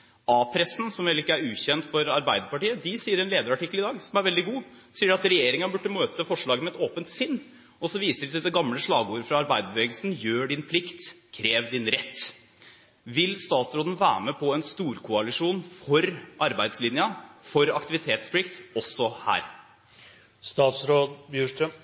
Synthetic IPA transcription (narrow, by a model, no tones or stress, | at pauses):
ɑːpʰɾɛsn̩sɔmʋeːlɪkːəæɾʉːɕɛnt̪fɔɾɑɾbæɪd̪əɾpɑʈiːəd̪ɪsiːəɾɛnleːd̪əɾɑʈɪkːlɪd̪ɑːɡsɔmæɾʋɛld̪ɪɡuː | siːɾɑt̪ɾɛjeːɾɪŋənbʉʈːəmøːt̪əfɔʂɭɑːɡənmɛt̪oːpənt̪sɪnː | ɔsɔʋiːsəɖɪsɛɛɡɑmləʂɭɑːɡuːɾəfɾɑɑɾbæɪd̪əbəʋeːɡlsn̩jøːɖɪnpʰlɪkt̪kʰɾeːʋd̪ɪnɾɛt̪ː | ʋɪlst̪ɑːt̪sɾoːd̪n̩ʋæ̰ːməpʰɔɛnst̪uːɾkʰʊɑlɪʂuːnfɔɾʔɑɾbæɪd̪slɪnjəfɔɾɑkt̪ɪʋɪt̪ʰeːt̪spʰlɪkt̪ɔsɔhæ̰ːɾ | st̪ɑːt̪sɾoːd̪bjʉːʂʈə